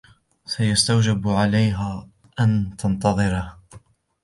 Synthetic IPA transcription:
sajast̪awd͡ʒɪbʕalajɦaː | ʔant̪ʰɑnt̪ɑðˤɨɾah

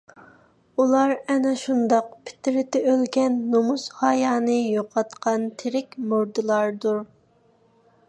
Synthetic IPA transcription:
ulˠɑɾɛnɛʃund̪ɑq̚pʰɪ̥t̪ɪɾɪt̪ɪølɡʲɛnːomushɑjɑːnɨjoqʰɑt̪qʰɑnt̪ʰɪɾɪkʲmuɾd̪ɨlˠɑɾd̪uɾ

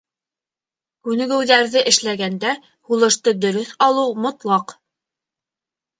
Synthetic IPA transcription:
kʉnɘ̆ɡɵ̆wðæɾðɘʔɘ̆ʃlæɡænd̪æ | hulˠɤ̆ʃt̪ɤd̪ɵ̆ɾɵθɑlˠɤwmŏt̪lˠɑq

